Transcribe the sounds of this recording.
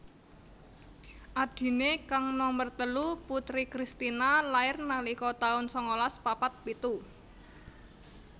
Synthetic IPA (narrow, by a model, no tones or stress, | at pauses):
ʔad̥i̤nekaŋnɔmbərt̪əluput̪ɾikɾist̪inalaɪrnalikɔt̪aʊnsɔŋolaspapat̪̚pit̪u